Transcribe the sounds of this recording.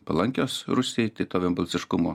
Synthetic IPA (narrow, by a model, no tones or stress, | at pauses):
pɐlˠɐŋʲkʲoːsɾʊsʲeːjt̪ɐɪt̪oːʋʲɛːmbɐlʲsʲɪʃkʊmoː